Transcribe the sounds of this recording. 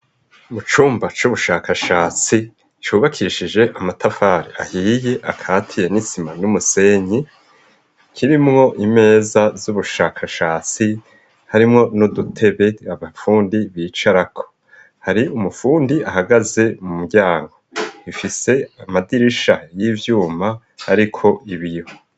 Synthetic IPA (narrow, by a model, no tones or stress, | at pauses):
mut͡ʃuːmbat͡ʃuβuʃaːkaʃaːt͡si | t͡ʃuːβakʰiːʃid͡ʒe̞ʔamatafaːɾiʔa̰hiːje̞ʔakʰaːtʰije̞nisimanumuse̞ɲi | kʰiɾimŋo̞ʔime̞ːzazuβuʃaːkʰaʃaːt͡si | haɾimŋo̞nudutʰe̞βe̞aβafuːndiβiːt͡ʃaɾakʰo̞̥ | haɾiumufuːndiʔahaɡaze̞mumuɡɟaːŋɡo̞ifise̞amadiɾiʃajivjuːma | ha̰ɾikʰo̞ʔiβijo